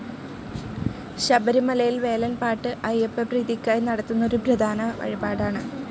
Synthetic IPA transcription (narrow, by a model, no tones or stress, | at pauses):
ɕɐbɐɾimɐlɐjilʋe̞ːlɐnpaːʈːɨʔɐjepːepriːðikʲːaːjnɐɽɐt̪ːunːo̞ɾupɾɐd̪ʱaːnɐʋɐ̰ɻibaːɽaːɳɨ